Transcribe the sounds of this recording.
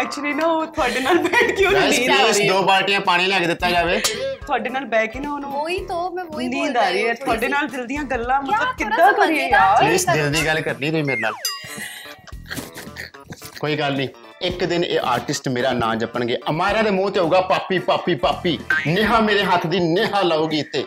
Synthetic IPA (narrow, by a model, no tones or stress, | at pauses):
ɛːk̚t͡ʃʊliːnaːot̪ʰʊaːɖeːnaːlbɛ̃ːʈkiõːsʊsd̪oːbaːɾʈɪjãːpaːɽ̃ĩːləɡd̪ɪt̪ːaːd͡ʒaːʋeːt̪ʰʊaːɖeːnaːlbɛːkinãonũːt̪onĩːd̪aːɾiːɛːt̪ʰʊaːɖeːnaːld̪ɪld̪ɪjãːɡəlːãːmət̪ləb̚kɪd̪ːãːkəɾieɪsd̪ɪld̪iːɡəlkəɾniːt̪ʊiːmeːɾeːna̰ːl | koːiːɡəlnĩː | ɪkd̪ɪnḛːʔa̰ːɾʈɪsʈmeːɾaːnãːd͡ʒəpəɳɡeːʔəmaːɾãːd̪eːmũːt̪eːɦoːɡaːpaːpiːpaːpiːpaːpːiːnɪɦãːmeːɾeːɦət̪ʰːd̪iːnɪɦaːlaːuːɡiːt̪ːeː